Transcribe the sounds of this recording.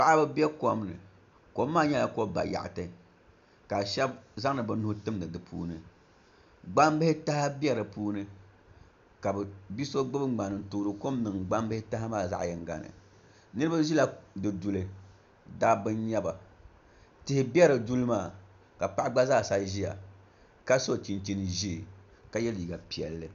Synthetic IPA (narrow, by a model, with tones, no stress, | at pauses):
pa˦ʔa˦bɛ˦bɛ˦ko˨m˦nɨ̰˨ | ko˦mːaː˦˨ɲɛ˦la˨ko˦ba̰˨ja̰˨ʔtɨ˨ | ka˨ʃɛ˦bza˦ŋ˦nɨ˨bɨ˨nʊ˦hʊ˦tɨ˦mnɨ˨dɨ˨pʰṵː˦nɨ˨ | ɡ͡ba˦m˦bɨ˦hɪ˦ta˦ha˦bɛ˦ɾɨ˨puː˦nɨ˦ | ka˨bɛ˨bi˦so˦ɡ͡bɨ˦bɨ˦ɡ͡ba˨nɨ˨n̩˨toː˨ɾɨ˨ko˦m˦nɨ˨ŋɡ͡ba˦mbɨ˦hɪ˦ta˦ɦa˦maː˦˨za̰˦ʔjɛ˨ŋ˦ɡa̰˨nɨ̰˨ | nɨ˦ɾɨ˦ba˦zi˦la˦dɨ˨du˨lɨ˦ | daː˦bɨ˦nɲɛ˦ba˨ | tɪ˨hɪ˦bɛ˦ɾɨ˨du˦lɨ˦maː˦˨ | ka˨pa˦ʔɡ͡ba˦zaː˦˨sa˦ʒi˦ja̰˨ | ka˦so˦˨t͡ʃi˨nt͡ʃi˦nɨ˨ʒi˦˨ | ka˨jɛ˦li˨ɡa˨pi˨ɛ̰˨lːɨ˨